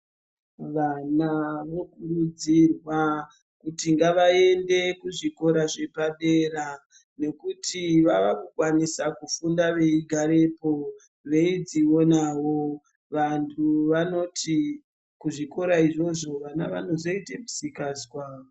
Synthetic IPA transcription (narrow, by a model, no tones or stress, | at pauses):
ʋanaʋokurud͡zirwa | kutiŋɡaʋae̞nde̞kuʐiko̞ɾaʐe̞paɗeɾa | ne̞kutiʋaʋakukwanisakufundaʋe̞iɡʱaɾe̞po | ʋe̞id͡zionawo̞ | ʋantʰuʋano̞ti | kuʐiko̞ɾaiʐo̞ʐo̞ʋanaʋano̞zo̞iteku̥sikaːswa